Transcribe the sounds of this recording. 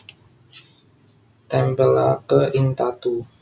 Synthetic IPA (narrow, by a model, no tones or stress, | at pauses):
t̪ɛmpəla̰kəʔint̪at̪u